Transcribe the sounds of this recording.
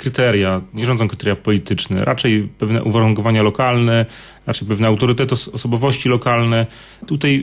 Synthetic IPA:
kɾɘt̪ɛɾjaɲɛʐɔ̃nd̪zɔ̃kɾɘ̥t̪ɛɾjapɔlʲit̪ɘt͡ʂnɛ̰ɾʔa̰t͡ʂɛjpɛvnɛ̰ʔuvaɾuŋkɔvaɲalɔkalnɛ | ɾat͡ʂɛjpɛvnɛawt̪ɔɾɘt̪ɛt̪ɔɔsɔbɔvɔɕt͡ɕilɔkalnɛ | t̪ut̪aj

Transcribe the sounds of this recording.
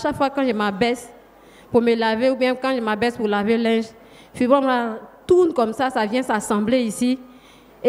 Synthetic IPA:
aʃakfwakãʒemabɛs | pumelaveubjɛ̃kãʒemabɛspulavelɛ̃ʒ | fibãmlatunkɔmsasavjɛ̃sasɑ̃bleisi | e

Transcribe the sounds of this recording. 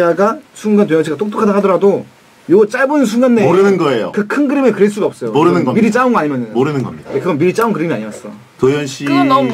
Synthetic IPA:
aɡasʰuŋɡantwejʌŋɕʰiɡat͈ok̚t͈okʰadaɦadʌɾado | jot͡ɕ͈aɭbonɯns̬ʰuŋɡanːeoɾɯnɯnɡʌejo̰kɯkʰɯnɡɯɾimekɯɾeɭs͈uɡaʌp̚s͈ʌomoɾɯnɯnɡʌmiɾit͡ɕ͈aunɡnaɲimjʌnɯmoɾɯnɯnɡʌ̰mɲidadekɯɡʌnbiɾit͡ɕ͈aunkɯɾimia̰ɲimas͈ʌ̰ | tojʌnɕʰi

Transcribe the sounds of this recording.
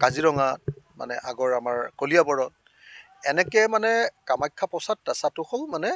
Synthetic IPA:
kaziɹɔŋat̚ma̰nɛ̰ʔaɡɔɹamaɹkolijabɔɹɔt̚ | ɛnɛkɛmanɛkamajkʰːapɔsatdasatʊxɔlmanɛ

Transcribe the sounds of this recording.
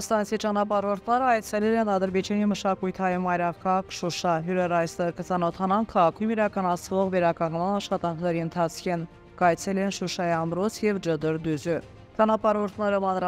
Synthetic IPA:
st̪ɑnt͡sʰit͡ʃɑnɑpɑɾɔɾt̪ʰnɛɾəɑjt͡sʰɛlɛɛnɑd̪əɾbɛd͡ʒɑniməʃɑkujt̪ʰɑjumɑjɾɑkʰɑkʃuʃɑɦuɾɛɾɑjst̪ɛɾkət͡sɑnɔt̪ʰɑnɑnkʰɑʁɑkʰujumiɾɑkɑnɑt͡sʰvɔʁvɛɾɑkɑŋnmɑnɑʃχɑt̪ɑŋkʰnɛɾiənt̪ʰɑt͡sʰkʰin | kɑjt͡sʰɛlɛnʃuʃɑjiɑmɾɔt͡sʰjɛvd͡ʒəd̪əɾd̪uzə | t͡ʃɑnɑpɑɾɔɾt̪ʰnɛɾɔmɑnɾɑ

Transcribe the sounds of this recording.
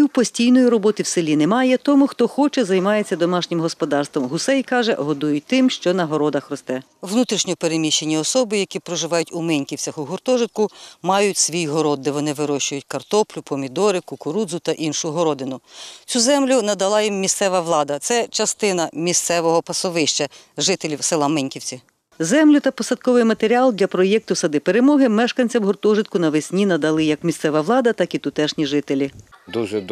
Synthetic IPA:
iwpɔsʲtʲijnɔjiɾɔbɔt̪ɪwsɪlʲinɛmɑjɛt̪ɔmʊxt̪ɔxɔt͡ʃɛzɐjmɑjet͡sʲːɐd̪ɔmɑʃnʲɪmɦɔspɔd̪ɑrst̪ʋɔmɦʊsɛjkɑʒɛ̰ɦɔd̪ujʊt̪ɪmʃt͡ʃɔnɐɦɔɾɔd̪ɐxrɔst̪ɛ | ʋnut̪ɾʲiʃnʲɔpeɾemʲiʃt͡ʃːenʲːɐɔsɔbɪjɐkʲipɾɔʒɪʋɑjʊtʲʊmɪnʲkʲiwt͡sʲɐxʊɦʊrt̪ɔʒɪt̪̚kʊmɑjʊtʲsʲʋʲijɦɔɾɔd̪̚ːɛʋɔnɪʋɪɾɔʃt͡ʃʊjʊtʲkɐrt̪ɔplʲʊpɔmʲid̪ɔɾɪkʊkʊɾud̪zʊt̪ɐʔinʃʊɦɔɾɔd̪ɪnʊt͡sʲuzɛmlʲʊnɐd̪ɐlˠɑjimːʲist̪sɛʋɐʋlˠɑd̪ɐt̪sɛt͡ʃɐst̪ɪnɐmʲist̪sɛʋɔɦɔpɐsɔʋɪʃt͡ʃɐ | ʒɪt̪elʲiwselˠɐmɛnʲkʲiwt͡sʲi | zɛmlʲʊt̪ɐpɔsɐt̪̚kɔʋɪjmɐt̪eɾʲiɑlˠd̪ʲlʲɐpɾɔjɛk̚t̪ʊsɐd̪ɪpeɾemɔɦɪmɛʃkɐnʲt͡sʲɐwɦʊrt̪ɔʒɪt̪̚kʊnɐʋesʲnʲinɐd̪ɐlˠɪjɐkmʲist̪sɛʋɐʋwlˠɑd̪ɐt̪ɑkit̪ʊt̪ɛʃnʲiʒɪt̪elʲid̪uʒɛ

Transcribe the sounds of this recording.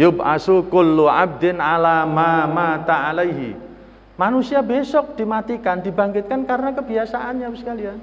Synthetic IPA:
jʊbʔa̰sukʊlːuʕa̰b̚d̪ɪnalamamat̪aalajɦḭ | manusiabesɔk̚d̪̥imat̪ikand̪i̤baŋkɪt̪̚kankaɾənakəbiasaʔanɲawskalian

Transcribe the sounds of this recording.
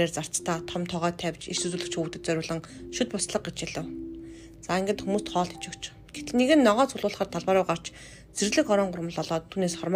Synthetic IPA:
eːrt͡sar̥t͡st̪ʰaːt̪ʰɔmt̪ʰɔʁœːt̪ʰːæwʲt͡ɕḭʃsɵt͡suːɮɘ̆kt͡ɕxuːt̪ɘ̆t̪t͡sœɾʲʊːɮɞ̆ŋʃut̪pʊsɮə̆q̚ɡet͡ɕæɮə̆w | t͡saiŋɡɘ̆nt̪xumuːst̪χɔːɮt̪ʰi̥t͡ɕɪ̆kt͡ɕʰ | ɡ̥et̪nːeɣɘ̆nːɔʁɔːt͡sʰʊɮʊːɮə̆χə̆t̪ʰːaɮpaːɾʊːɢar̥t͡ɕ | t͡serɣɮɘ̆kɔɾɔːɴɢʊrmə̆ɮɔɮɔːt̪ʰːuːneːsχɔrm

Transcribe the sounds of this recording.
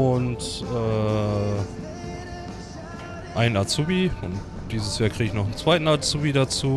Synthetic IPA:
ʔʊntʔɛː | ʔaɪnat͡suːbiʊnt | d̥iːzəsjaːkʁ̥iːɡɪçnɔχn̩t͡sv̥aɪtn̩at͡suːbidat͡suː

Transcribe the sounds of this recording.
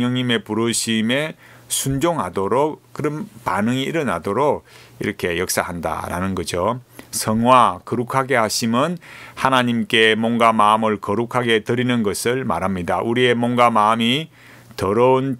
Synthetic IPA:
jʌŋɲime̞puɾoɕʰime̞ | sʰund͡ʑoŋɦadoɾok̚k͈ɯɾʌnpa̰nɯŋiːɾʌna̰doɾok̚ | iɾʌkʰe̞jʌk̚s͈aɦanda̰ɾa̰nɯnɡʌd͡ʑosʰʌŋwakʌɾukʰaɡe̞haɕʰimɯnhanaɲimk͈e̞mwʌnɡamaɯmɯɭkʌɾukʰaɡe̞tɯɾinɯnɡʌsʰɯɭma̰ɾɦamɲidaʔuɾie̞mwʌnɡamami | tʌɾʌun

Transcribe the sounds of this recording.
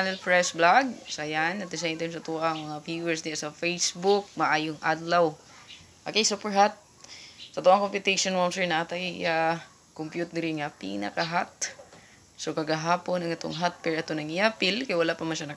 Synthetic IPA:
nɐlpɹɛsblaɡ̚sajanːɐt̪ɪsɛɛnt̪ɛɪms̬ɐt̪ʊʔaɐŋmɐŋafjuwɛɹsd̪ɪasɐfejsbʊk̚mɐʔaːjʊŋʔad̪law | ʔokejsupɛɹɦat̪̚ | sɐt̪ʊʔaŋkompjʊt̪eʃonwamsɛɹnɐʔat̪ajja | kompjut̪ɛɾɪnŋɐpḭnɐ̰kɐɦat̪̚ | sokɐɡɐɦaːponɐŋʔɛt̪o̰ŋɦat̪̚pɛɹʔɐt̪onɐŋɪjapɪlkɐjawɐlaʔpɐmɐnʃanɐ

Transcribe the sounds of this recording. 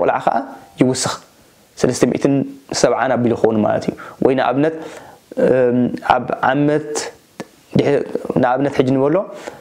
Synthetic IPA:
kʼlʕakʰaʔajɪwʊsːɨx | sɐlɐst̪ʰɐmḭʔt̪ʰɨnsɐβʕanabilixownuma̰lɐ̰t̪ʰijːuwʔɔjnaʔa̰βnɐt̪ | a̰βʕamɐt̪ | d̪ɨħnaʔaβnɐt̪ħɨd͡ʒːinɨβɐlːo̞

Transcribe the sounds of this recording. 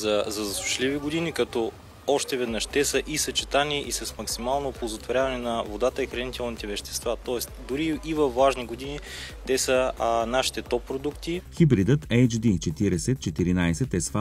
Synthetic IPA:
zɐzɐzɐsuʃliviɡod̪inikɐt̪ɔ | ɔʃt̪ɛvɛd̪nəʃt̪ɛsəʔisɐt͡ʃɛ̥t̪aniʔisɐsmɐksimalˠnopolˠzot̪voɾjavɐnɛnɐvod̪at̪əixɾɐnit̪ɛlˠnit̪ɛvɛʃt̪ɛ̥st̪vat̪ɔɛsd̪ʊɾiːvɐfvaʒniɡod̪ini | t̪ɛsənaʃi̥t̪ɛt̪ɔpːɾod̪ukt̪ixibɾid̪ət̪ɛjt͡ʃd̪it͡ʃɛt̪iɾɛsɛt̪̚t͡ʃɛt̪iɾinajsɛt̪ɛsfa

